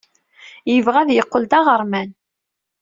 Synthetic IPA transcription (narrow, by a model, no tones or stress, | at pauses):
jəvʁæðjəqːəld̪ɑʁəɾˤmæn